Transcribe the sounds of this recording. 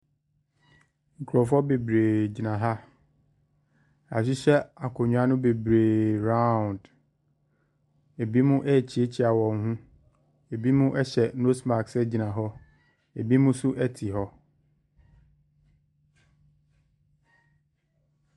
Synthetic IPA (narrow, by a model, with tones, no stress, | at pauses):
ŋ̩˨kʰu˨ɾɔ˨fɔ˦be˨bɾeː˨d͡ʑi˨nã˨ɦa˦ | a˨ɕ̬ɪ˦ɕɛ˦a˨kʰɔ˨ɲᶣũ˦a˦nʊ̃˦be˨bɾeː˨ɾã˦˨nd | e˨bi˦mʊ̃˦ʔɛ˦˨t͡ɕʰi˨˦e˦t͡ɕʰɪ˦a˨wɔ̃˨ŋ˦hũ˦ | e˨bi˦mʊ̃˦ʔɛ˦ɕɛ˨no˦sma˨ksɛ˦d͡ʑi˨nã˨ɦɔ˦ | e˨bi˦mʊ̃˦sʊ˦ʔɛ˦tʰi˨ɦɔ˦